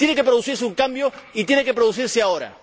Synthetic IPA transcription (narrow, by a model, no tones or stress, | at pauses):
jenekep̬ɾoðusiɾseuŋkambjoit̪je̞nekepɾoðusiɾseao̞ɾa̰